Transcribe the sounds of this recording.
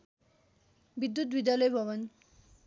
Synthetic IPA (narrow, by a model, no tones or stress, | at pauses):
bid̪ːut̪bid̪jalɔjbʱɔβɔn